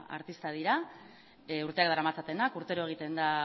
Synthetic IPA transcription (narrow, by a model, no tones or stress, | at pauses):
a̰ɾt̪ist̪að̞iɾa | uɾt̪e̞ak̚d̪aɾamat͡sat̪e̞nakuɾt̪e̞ɾoe̞ɣ̞it̪e̞nd̪a